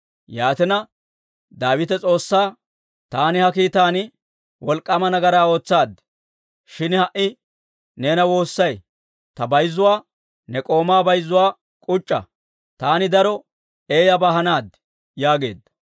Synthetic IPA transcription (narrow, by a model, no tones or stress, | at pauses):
jaːt̪ɛnɐ | d̪aːwɪt̪ɛt͡sʼo̞ːsːaː | t̪aːnɪhɐkiːt̪aːnɪ | wɔlkʼːɐmɐnɐɡɐɾaːo̞ːt͡sːaːd̪ | ʃɪnhɐʔɪ | ne̞ːnɐwo̞ːsːɐj | t̪ɐbɐjzːʊwaː | nɛkʼo̞ːmaːbɐjzːʊwaː | kʼʊt͡ʃʼːɐ̰ | t̪aːnɪd̪ɐɾɔ | e̞ːjɐbaɦɐnaːd̪ | jaːɡe̞ːd̪ːɐ